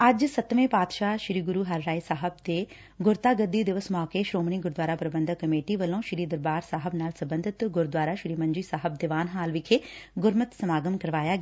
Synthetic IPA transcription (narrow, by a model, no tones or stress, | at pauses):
ɐd͡ʒsət̪ʋẽːpaːt̪ʃaːʃɾiːɡʊɾuːɦɐɾːaːisaːɦəb̚t̪eː | ɡʊɾt̪aːɡəd̪ːiːd̪ɪʋəsmɔːkeʃɾoːmɳ̃iːɡʊɾd̪ʋaːɾaːpɾəbə̃nd̪ʱəkːəmeːʈiʋəlõːʃɪɾiːd̪əɾbaːɾsaːɦəbnaːlsɐbənd̪ʱɪt̪ɡʊɾd̪waːɾaːʃɪɾiːmɐ̃nd͡ʒiːsaːɦəb̚d̪ɪʋaːnɦaːlʋɪkʰeːɡʊɾmət̪səmaːɡəmkɐɾʋaːjaːɡ